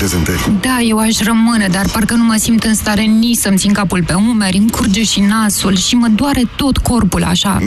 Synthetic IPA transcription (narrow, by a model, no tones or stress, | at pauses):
pɾezent̪əɾʲd̪aje̞waʃʲrəmɨne̞d̪arparkənuməsimt̪ɨnst̪aɾe̞nit͡ʃsəmt̪sinkapulpe̞umeɾʲɨŋkurd͡ʒeʃinasulʃiməd̪oaɾe̞t̪o̞t̪ko̞rpula̰ʃa̰